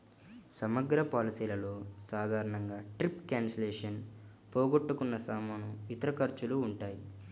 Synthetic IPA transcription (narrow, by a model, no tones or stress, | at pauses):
sɐmɐɡɾɐpaːlisiːlɐloːsaːd̪ʱaːɾɐɳɐŋɡaːʈɾipkjaːnsɐleːʂɐn | pɔːɡoʈːukunːɐsaːmɐːnuit̪ɐɾɐkɐɾt͡ʃuluːɳʈaːji